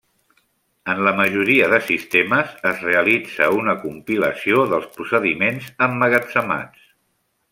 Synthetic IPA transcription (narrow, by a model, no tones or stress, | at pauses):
ənləməʒuɾiəðəsist̪eməzəzreəlid͡zə̰unəkumpiləsioðəlˠspusəðimenzəmːəɣət͡səma̰t͡s